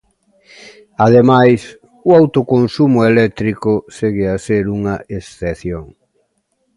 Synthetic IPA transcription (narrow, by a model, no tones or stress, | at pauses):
aðemajs | ʊawt̪okonsumʊelɛk̚t̪ɾikʊseɣɪaseɾuŋɐesθeθjoŋ